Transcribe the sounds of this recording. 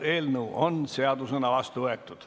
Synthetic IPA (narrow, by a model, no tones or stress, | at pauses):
eːlnuonseɑd̪usenɑʋɑst̪uet̪ːut̪